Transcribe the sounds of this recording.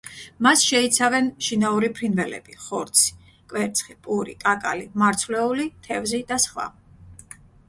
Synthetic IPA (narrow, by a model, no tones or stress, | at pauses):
masʃɛit̪sʰavɛnʃinauɾipʰɾinvɛlɛ̰b̥iχɔɾt̪sʰi̥ | kʼwɛɾt̪sʰχipʼuɾikʼakʼa̰limaɾt̪sʰvlɛulit̪ʰɛvzid̪asχwa̰